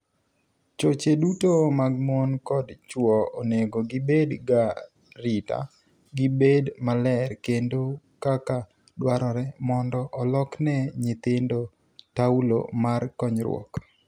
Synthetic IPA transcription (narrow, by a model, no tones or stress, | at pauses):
t͡ʃot͡ʃedutomaɡ̚mɔnkɔdt͡ʃwɔoneɡoɡɪbedɡa | ɾita̰ | ɡɪbedmalɛrkendo | kaka | dwaɾɔɾɛmɔndɔʔɔlɔknɛɲɪt̪ɪndo | taulo̰markɔɲɾwɔ̰k